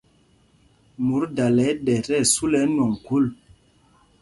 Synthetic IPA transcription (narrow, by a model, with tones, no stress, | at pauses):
mu˨˦ɾda˨lɛ˨˦ɗɛ˨tɛ˦˨su˦lɛ˨˦nwɔ˨ŋku˦˨l